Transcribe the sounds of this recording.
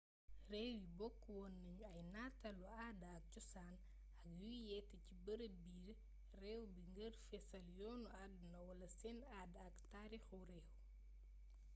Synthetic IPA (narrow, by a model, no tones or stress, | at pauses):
rɛːwibɔkːwɔnːɐɲuɐjnaːtɐluaːdɐɐk̚cɔsaːn | ɐk̚jujɛːtːɐcibɐɾəbiːɾ | rɛːwbiŋɡərfɛsɐljɔːnuadunɐwɐlɐsɛnaːdɐktaɾiːxurɛːw